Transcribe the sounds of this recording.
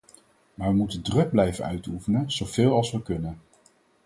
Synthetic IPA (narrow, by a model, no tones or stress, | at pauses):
maːɹʋəmutəndrɵɡ̚blɛjvə̰nœ̰ɥtufənənz̥owv̥ɪːlˠɑlˠsʋəkɵnən